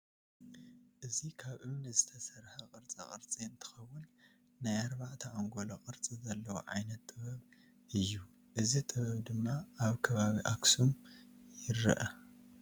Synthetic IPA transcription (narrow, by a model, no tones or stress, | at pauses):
ʔɨzikʰaβʔɨβnɨzɨt̪ʰɐsɐɾħɐqʼɨɾt͡sʼɐ̰χʼɨɾt͡sʼiɨnt̪ʰɨ̥xɐwːʊnː | ajaɾbaʕt̪ʰɐaŋɡoloqʼɨɾt͡sʼizɐlːɐwo̰ʕa̰jnɐt̪ʼːɨβɐβ | ʔɨjːu | ʔɨzit̪ʼɨβɐβd̪ɨmːaʔaβkʰɐβaβiʔaksumjɪɾːɨ̰ʔɐ